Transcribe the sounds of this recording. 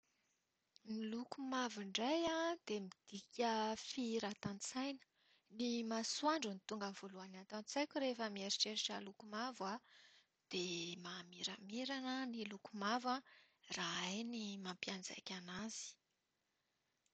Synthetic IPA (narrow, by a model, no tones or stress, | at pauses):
nilukumaviɳɖ͡ʐajad̪emid̪̥ikʲəfiɾat̪ant͡sajnə̥ | nimasuaɳɖ͡ʐunit̪uŋɡənv̥oluanat̪ant͡sajkʲuɾefəmieɾiʈ͡ʂeɾiʈ͡ʂəlukumava | d̪̥emamiɾamiɾanənilukumava | raajnimampiand͡za̰jkʲanaz̥i̥